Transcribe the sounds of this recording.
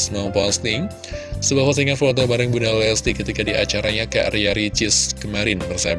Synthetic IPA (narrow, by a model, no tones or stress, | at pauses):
smapast̪ɪŋ | səbasas̬əiŋaflɔnt̪̬ɔbaɾəŋbunallɛst̪ikːət̪ikadia̰t͡ʃaɾaɲaka̰ʔriaɾit͡ʃɪskəmaɾɪnbərsa̰b